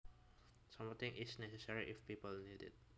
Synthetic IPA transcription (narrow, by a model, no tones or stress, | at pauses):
sãmɔt̪ɪ̃ŋʔɪsnɛsɛsəɹiʔɪfpiːpəlnidɪ̰t̚